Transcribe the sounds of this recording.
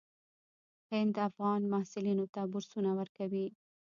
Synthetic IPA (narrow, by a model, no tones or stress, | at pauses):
hɪnd̪afɣɑnmahsɪlinot̪abʊɾsunawəɾkawi